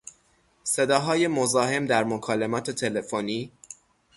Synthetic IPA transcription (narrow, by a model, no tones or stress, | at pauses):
se̞d̪ɒːɦɒːje̞mo̞zɒːɦe̞md̪æɾmokʰɒːle̞mɒːt̪ʰet̪ʰe̞le̞foniː